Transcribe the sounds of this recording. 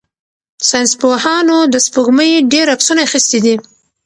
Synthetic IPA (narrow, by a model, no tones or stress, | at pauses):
sajnspohɑnod̪əspəɣməjɖeɾapsunaaxist̪id̪i